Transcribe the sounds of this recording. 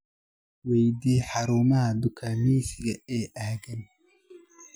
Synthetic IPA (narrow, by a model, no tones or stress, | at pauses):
wɛjd̪iːħɑɾuːmɐɦɐd̪ʊkʰaːmiːsɪɣɐɛːʔɐhɣɐn